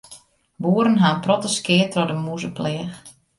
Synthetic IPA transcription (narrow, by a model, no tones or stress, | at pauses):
buːəɾənɦaːnprɔtəskɪətrɔdəmuzəplɛəx